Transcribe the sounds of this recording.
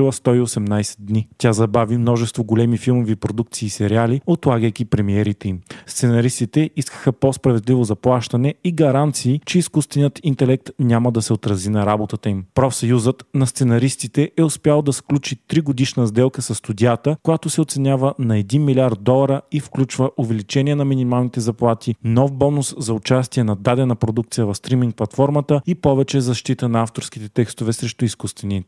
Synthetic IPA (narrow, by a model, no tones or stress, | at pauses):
lˠəst̪ɔiosɛmnajsɛ̥d̪̚dnit̪ʲazɐbavimnɔʒɛst̪voɡolɛmifilˠmovipɾod̪uk̚t̪siːsɛɾialiot̪lˠaɡəjk̟ipɾɛmiɛɾit̪ɛimst̪sɛnɐɾist̪it̪ɛʔiskə̥xəpospɾɐvɛd̪livozɐplˠaʃt̪ɐnɛiɡɐɾant̪siːt͡ʃɛiskust̪vɛnijət̪int̪ɛlɛk̚t̪nʲaməd̪ɐsɛot̪ɾɐzinɐɾabot̪ət̪əimpɾɔfsɐjuzət̪nɐst̪sɛnɐɾist̪it̪ɛʔɛʊspjalˠd̪ɐsklʲut͡ʃit̪ɾiɡod̪iʃnəzd̪ɛlˠkəsɐst̪ud̪ʲiat̪əkojat̪osɛot̪sɛnʲavənɐɛd̪inmilʲiaɾd̪̚d̪ɔlˠɐɾəifklʲut͡ʃvəʔʊvɛlit͡ʃɛniɛnɐminimalˠnit̪ɛzɐplˠat̪inɔfbɔnʊszɐʊt͡ʃast̪iɛnɐd̪ad̪ɛnɐpɾod̪ukt̪sijəvɐfst̪ɾimiŋk̚plˠɐt̪fɔɾmət̪əipɔvɛt͡ʃɛzɐʃt̪it̪ənɐaft̪oɾsk̟it̪ɛt̪ɛkst̪ovɛsɾɛʃt̪ʊiskust̪vɛnit̪